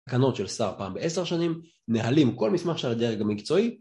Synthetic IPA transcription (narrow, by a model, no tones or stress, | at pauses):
kano̞tʃelsaʁpaːmbeeseʁʃanim | neɦalimko̞lmismaχʃalad̪eʁeχɡamikt͡so̞i